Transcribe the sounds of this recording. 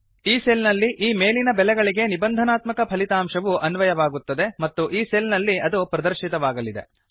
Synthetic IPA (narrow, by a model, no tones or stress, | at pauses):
iːseːlnɐlːiʔiːme̞ːlinɐbɛlɛɡɐɭiɡe̞nibɐnd̪ʱɐnaːt̪mɐkɐpʰɐlit̪aːmʃɐʋuʔɐnʋɐjɐʋaːɡut̪ːɐd̪e̞mɐt̪ːuʔiːseːlnɐlːiɐd̪upɾɐd̪ɐɾʃit̪ɐʋaːɡɐlid̪e̞̰